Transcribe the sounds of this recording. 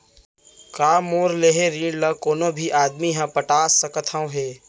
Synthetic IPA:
kaːmoːɾleːɦeɾiːɳləkoːnõbʱiʔaːd̪miɦãːpəʈaːsəkət̪ʰãɦeː

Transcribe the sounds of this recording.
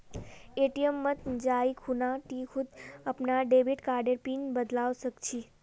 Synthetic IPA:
eʈijəmːət̪d͡ʒaikʰunaʈikʰud̪əpnaɖebiʈkaɾɖəɾpinbəd̪laʋʃəkt͡ʃʰi

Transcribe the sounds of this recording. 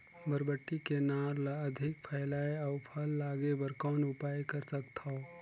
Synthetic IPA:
bʱəɾbəʈːikenaːɾlaɐd̪ʱɪk̚pʰəɪlaːeaʊpʰəlːaːɡebəɾkɔːnʊpaːjkəɾsək̚t̪ʰa

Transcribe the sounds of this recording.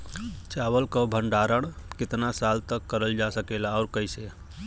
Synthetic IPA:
t͡ʃabəlkɔbʱəɳɖaɾəɽ | ket̪nasalt̪əkːəɾəld͡ʒasəkelaɔɾkəjse

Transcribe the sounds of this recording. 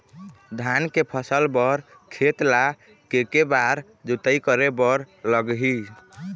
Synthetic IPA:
d̪ʱankepʰəsəlbəɾ | kʰet̪la | kekebaɾ | d͡ʒut̪əjkəɾebəɾləɡɦi

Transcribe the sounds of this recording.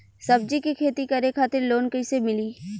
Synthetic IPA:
sɐb̚d͡ʒikikʰeːt̪ikɐɾekʰaːt̪ɪɾloːnkəisemɪliː

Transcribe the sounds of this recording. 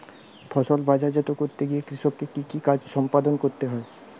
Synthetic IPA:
bʰɔʃolbʱad͡ʑad͡ʑɔt̪okoɾt̪eɡiekɾiʃob̚kekikikad͡ʑʃɔmpad̪onkoɾt̪eɦɔe

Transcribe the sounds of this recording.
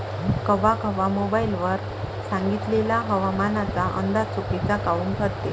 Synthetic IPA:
kəʋakəʋamobailʋəɾ | sãŋɡit̪leljaɦəʋamanat͡saʔə̰nd̪at͡supit͡sakaʋuːŋkʰəɾt̪e

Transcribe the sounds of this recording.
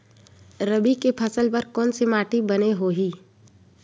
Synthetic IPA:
ɾəbikepʰɐsəlpɐɾkɔːnsemaːʈibɐneɦoːɦiː

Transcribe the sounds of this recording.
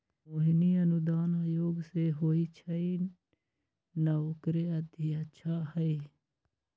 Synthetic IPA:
oːɦiniənʊd̪aːnaːjoːɡseɦoːit͡ʃʰəi | nɐokɾeəd̪ʱiətːʃʰaɦəi

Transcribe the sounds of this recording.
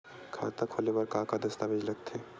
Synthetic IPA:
kʰa̰ːt̪akʰoːlebɐɾkãːkad̪ɐst̪abed͡ʒlɐɡ̚t̪ʰeː

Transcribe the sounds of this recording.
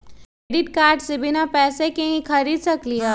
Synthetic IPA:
eɖɪʈ̚kaːɾʈsebʱɪnapɛːsekeɦĩkʰɐɾiːd̪sɐkliɦaː

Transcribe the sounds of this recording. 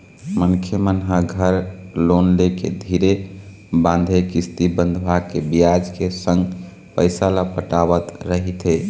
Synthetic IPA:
mənkʰjəmənɦaɡʱəɾlonlekḛd̪ʱiɾe | bãnd̪ʱekist̪ibənd̪ʱbʱakebijad͡ʒkesə̃ŋɡ | pəɪsalapəʈaβət̪ɾəɦit̪ɦe

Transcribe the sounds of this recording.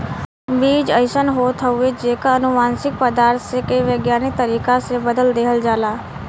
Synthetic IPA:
biːd͡ʒəɪʃənɦoːt̪ʰəʊed͡ʒeːkaənʊʋaːnsɪk̚pəd̪aːɾt̪ʰsekeiʋəɡjaːnɪk̚t̪əɾiːkasebəd̪əld̪eːɦəld͡ʒaːlaː

